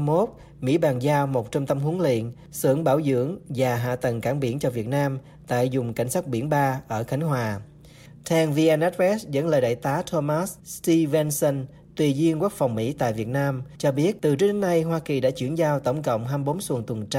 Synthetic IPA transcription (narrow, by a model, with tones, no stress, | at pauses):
mo˦˥t̚ | mḭ˧˥ɓaː˨˩nzaː˧wmo˨˩t̚t͡ɕɔ˧ŋ͡mt̪ə˧mɦu˨˦əŋlḭ˧˨ən | sɨ̰˧˨əŋɓaː˧˩wzɨ̰˧˥əŋvaː˨˩ɦa̰ː˧˨t̪ə˨˩ŋkaː˧˩ŋɓḭ˧˩ənt͡ɕɔ˧vi˨˩ət̚naː˧m | t̪a̰ː˧˨jzʊ˨˩ŋ͡mka̰˧˩jŋ̟saː˦˥t̚ɓi˧˩ənɓaː˧ʔəː˧˩xa˨˦ŋ̟ɦwaː˨˩ | t̪ʰɛ˧nvi˧ʔɛ˧nʔɛ˦˥t̚ɛ˦˥szə̰˧˥nləː˨˩ɗa̰ː˧˨jt̪aː˨˦t̪ʰo˧maː˦˥st̪i˧vɛ˧nsə˧n | t̪wi˧˩zi˧əŋku˦˥ək̚fɔ˨˩wŋ͡mmḭ˧˥t̪a̰ː˧˨jvi˨˩ət̚naː˧mt͡ɕɔ˧ɓi˦˥ət̚t̪ɨ˨˩t͡ɕɨ˧˥ɗe˨˦na˧jɦwaː˧ki˨˩ɗa̰ː˧˥t͡ɕḭ˧˩əŋzaː˧wt̪ə̰˧˩wŋ͡mkə̰˧˨wŋ͡mɦaː˧mɓo˨˦nswə˨˩əŋt̪wə˨˩nt͡ɕ